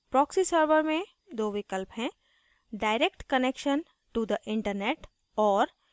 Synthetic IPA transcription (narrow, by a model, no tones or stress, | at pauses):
pɾɔːksisəɾʋəɾmẽ | d̪oːʋɪkəlpɦɛ̃ | ɖaːɪɾekʈkənekʃən | ʈud̪əʔɪ̃ɳʈəɾneːʈ | ɔːɾ